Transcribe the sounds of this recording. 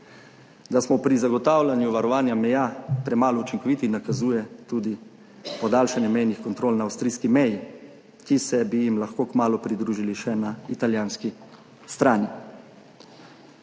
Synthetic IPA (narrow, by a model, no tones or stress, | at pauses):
d̪asmɔpɾizaɡɔt̪aːwlʲanjuʋaɾɔʋaːnjamɛjaːpɾɛmaːlɔut͡ʃiŋkɔʋiːt̪inakazuːjɛt̪uːd̪i | pɔd̪aːlʃanjɛmɛjnixkɔnt̪ɾoːlnaːwst̪ɾiːskimɛji | kisɛbijimlaxkoːkmaːlupɾid̪ɾuːʒiliʃɛnait̪aljaːnski | st̪ɾaːni